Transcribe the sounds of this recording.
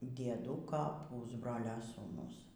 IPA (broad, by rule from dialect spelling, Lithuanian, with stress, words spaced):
dʲiɛˈduːkɐ ˈpuːzbroːlʲoː suːˈnʊs